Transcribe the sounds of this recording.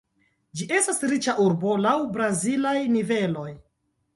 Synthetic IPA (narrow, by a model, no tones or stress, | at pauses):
d͡ʒiʔe̞stasɾit͡ʃaʔuɾbo̞lawbɾazilajnive̞lo̞j